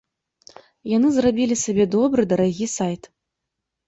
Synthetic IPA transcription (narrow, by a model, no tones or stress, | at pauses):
janɨzrabʲilʲisabʲɛd̪ɔbɾɨd̪ɐɾaɣʲisajt̪